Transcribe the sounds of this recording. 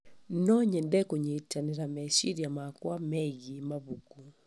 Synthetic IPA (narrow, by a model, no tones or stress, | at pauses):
nɔɲɛndɛkoɲetaneɾamɛʃiɾjamakwamɛɣimaβuku